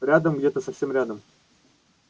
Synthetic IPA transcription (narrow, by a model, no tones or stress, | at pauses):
ɾʲad̪əmɡdʲe̞t̪əsɐfsʲe̞mɾʲad̪əm